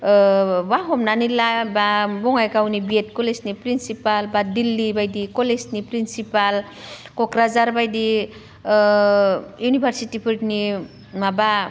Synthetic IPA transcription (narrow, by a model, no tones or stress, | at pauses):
baɦɔmnanilababɔŋajkawnibiet̚kɔlesnipɾinsipalbadilːibajdikɔlesnipɾinsipal | kɔkɾazaɾbajdi | junibʰʱaɾsitipʰɯɾʈni | maba